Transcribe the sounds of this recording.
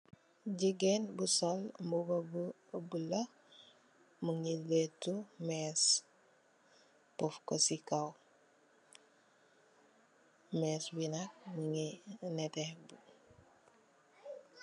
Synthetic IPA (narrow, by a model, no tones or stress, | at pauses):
ɟiɡɛnbusɔlmbubabu | bulɐ | muŋiletːumɛs | pɔfkɔsikaw | mɛswinak̚muŋinɛtɛhbu